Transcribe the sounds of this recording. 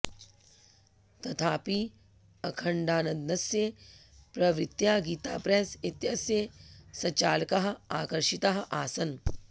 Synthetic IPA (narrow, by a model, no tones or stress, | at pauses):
t̪ɐt̪ʰaːpiː | ɐkʰɐɳɖaːnɐd̪nɐsjepɾɐʋɾit̪jaːɡiːt̪a̰ːpɾeːsit̪jɐsjeːsɐt͡ɕaːlkaɦɐ̆aːkɐɾʃit̪aɦɐ̆ʔaːsɐn